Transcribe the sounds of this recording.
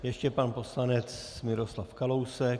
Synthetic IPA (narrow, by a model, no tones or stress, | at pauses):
jɛʃcɛpanpo̞slanɛt͡smɪɾo̞slafkalo̞wsɛk